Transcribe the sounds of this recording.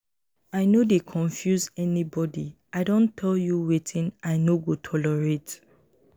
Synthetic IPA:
aɪnodekʰɔ̃ɱfjuzɛnibɔdi | aɪdõntʰɛljuwetʰĩnaɪnoɡotʰɔlɔɹet

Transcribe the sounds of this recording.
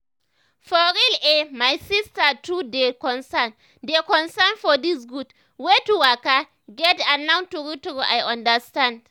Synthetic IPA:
fɔɹilemajsistətudekɔ̃nsan | dekɔ̃nsanfɔdisɡud | wetuwaka | ɡɛtãnãwntuɹitɹuʔa̰jãndəstãnd

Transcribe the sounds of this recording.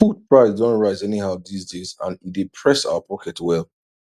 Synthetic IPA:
fut̚pʰɹaɪzdɔ̃ntɹaɪzɛnihaʊdisdezã̰ndipʰɹɛsa̰ʊəpʰɔkʰɛtwɛlˠ

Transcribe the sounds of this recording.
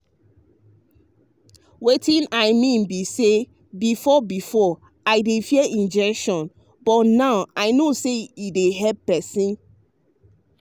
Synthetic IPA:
wetĩnaɪmĩnbise | bifɔbifɔ | aɪdefiɛĩnd͡ʒɛkʃɔ̃n | bɔtnaʊaɪnoseideɦɛppɛsĩn

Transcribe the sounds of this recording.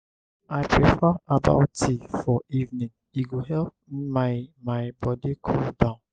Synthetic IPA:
aɪpɹifaaba̰ʊtifɔivnĩŋ | iɡoɦɛlp̚ | mamaɪbɔdikʰɔldãʊ̃n

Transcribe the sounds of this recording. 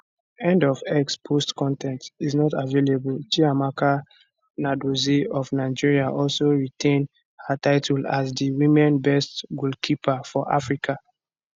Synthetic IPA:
ɛ̃ndɔvɛkspʰostkɔ̃ntʰɛ̃ntiznɔtavelebultiamaka | nadoziɔvnaɪd͡ʒiɹiaʔɔlsoɹitʰẽn | hataɪtʰula̰zdiwĩmɛ̃nbɛstɡulkʰipafɔʔa̰fɹikʰa

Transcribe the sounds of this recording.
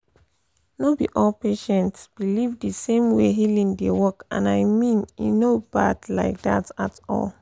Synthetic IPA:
nobiʔɔlpeʃɛ̃ntsb̥ilivdəsẽmweɦilĩŋdewɔkã̰naɪmĩnjḭnobadlaɪk̚datatɔ̰l

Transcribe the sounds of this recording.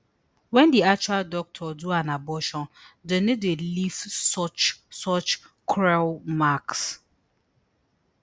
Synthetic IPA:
wɛ̃ndiak̚t͡ʃualdɔk̚tʰɔduãnabɔʃɔ̃ndenedelifsɔt͡ʃsɔt͡ʃ | kʰɹɛlmaks

